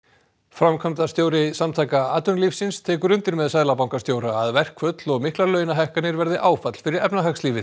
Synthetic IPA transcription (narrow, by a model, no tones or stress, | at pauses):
fɾamkʰamt̪ast̪joːwɾɪsamt̪ʰaːjkaaːt̪ʏnliːfsɪnst̪ʰɛːkʏɾʏnt̪ɪɾmɛðsaːðlapawŋkast̪joːwɾaːðvɛr̥kʰvœt̪lɔɣmɪhklalœːɥjnaɦɛhkanɪɾvɛɾðɪʔaːwfat̪l̥fɪɾɪɾɛpnaɦaksliːvɪ